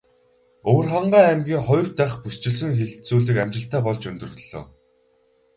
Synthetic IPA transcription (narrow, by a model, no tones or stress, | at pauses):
owrχaɴɢæːæmɡʲiːŋχɔj̆rt̪æːχpust͡ɕɪ̆ɮs̬ɘ̆ŋxeɮt͡suːɮiːkæmʲt͡ɕɪ̆ɬt̪æːpɔɮt͡ɕɵnt̪ɵ̆rɮo̰ː